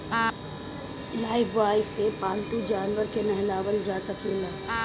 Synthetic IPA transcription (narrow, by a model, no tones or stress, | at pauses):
laːɪpʰʋaːjsepaːlt̪ud͡ʒaːnʋəɾkenɛɦɪlaːʋəɾd͡ʒaːsəkelaː